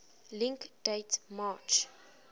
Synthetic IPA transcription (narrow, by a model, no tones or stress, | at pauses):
lĩŋkd̥etmat͡ʃ